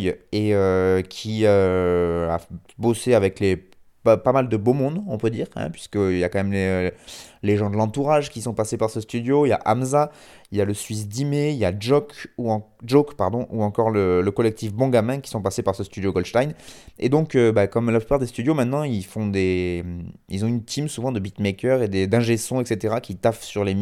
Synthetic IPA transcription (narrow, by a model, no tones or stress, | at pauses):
eøkʲʰiø | a̰ | boseavɛkle | ppamald̪əbomɔ̃d̪ɔ̃pød̪iːʁɛ̰̃pɥi̥skəiljakɑ̃mɛmle | leʒɑ̃d̪əlɑ̃t̪uʁaʒkʲisɔ̃pasepaʁsəst̪yd̪joilja̰ʔamza | iljaləsɥis̬d̪imeiljaʒɔkũ | ʒokpaʁd̪ɔ̃ʔuɑ̃kɔʁlələkɔlɛk̚t̪ifbɔ̃ɡamɛ̃kʲi̥sɔ̃pasepaʁsəst̪yd̪joɡɔlʃt̪ajned̪ɔ̃købakɔmlaplypaʁd̪est̪yd̪jomɛ̃t̪nɑ̃ilfɔ̃d̪e | ḭlzɔ̃ynt̪ʰimsuvɑ̃d̪əbit̪mekʲœʁed̪ed̪ɛ̃ʒesɔ̃ɛkset̪eʁakʲʰit̪afsyʁlem